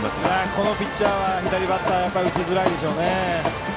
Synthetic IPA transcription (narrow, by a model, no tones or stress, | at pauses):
asako̞no̞pʲitt͡ɕːaːβaçid̪aɾʲibat̪ːajapːaɾʲɯ̟t͡ɕizɨɾaid̪e̞ɕo̞ːne